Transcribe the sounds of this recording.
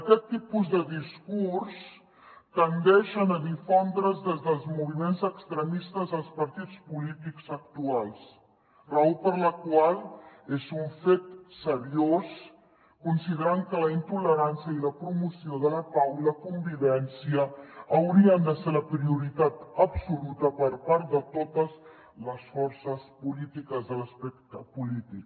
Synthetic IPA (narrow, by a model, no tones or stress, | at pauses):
əkɛt̪ːipuzðəðiskurs | k̪ənd̪ɛʃənəðifond̪ɾəzðɛzðəlˠzmuβ̞imenzəkst̪ɾəmist̪əzəlˠspəɾt̪it͡spulit̪iksək̚t̪ualˠs | raopəɾləkwalˠezuɱfet̪səβios | kunsiðəɾaŋkələint̪uləɾansəiləpɾumusioðələpawləkumbiβɛnsiəːwɾiənd̪əseɾləpɾiuɾit̪at̪əbsulut̪əpəɾpaɾt̪d̪ət̪ot̪əz | ləsfɔɾsəspulit̪ikəzðələspɛk̚t̪əpulit̪ik̚